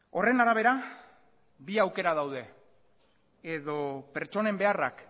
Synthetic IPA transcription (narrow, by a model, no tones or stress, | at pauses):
o̞re̞naɾaβ̞e̞ɾa | biawke̞ɾað̞awðe̞ | eðo̞pe̞ɾt͡ʃo̞ne̞mbe̞ara̰k